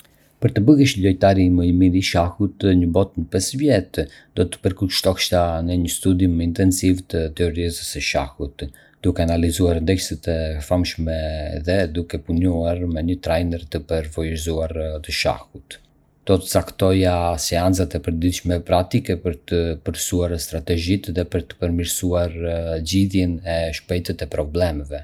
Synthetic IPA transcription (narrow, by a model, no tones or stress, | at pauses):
pəɾt̪əbəɣɛʃʎɔjt̪aɾiməjmiɾiʃahut̪ɲəbɔt̪nəpɛsvjɛt̪d̪ɔt̪ə̥pəɾkulʃt̪ɔʃt̪anəɲəst̪ud̪imɛint̪ɛnsivt̪ət̪ɛɔɾizsəʃa̰hut̪ | d̪̥ukɛanalizuaɾnd̪ɛjsət̪ɛfamʃmɛðɛd̪ukɛpunuaɾmɛɲət̪ɾajnɛɾt̪əpəɾvɔjzuaɾt̪əʃa̰hut̪ | d̪̥ɔt̪ə̥t͡sakt̪ɔjasɛant͡sat̪ɛpəɾd̪idʃmɛpɾat̪ikɛpəɾt̪əpəɾsuaɾst̪ɾat̪ɛʒit̪ðɛpəɾt̪ə̥pəɾmiɾsuaɾɟiðjɛnɛʃpɛjt̪ɛt̪ɛpɾɔblɛmɛvɛ